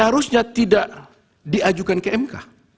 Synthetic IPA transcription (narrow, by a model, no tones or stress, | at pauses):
əɦaɾusɲat̪idaʔ | diad͡ʒukankəɛmka̰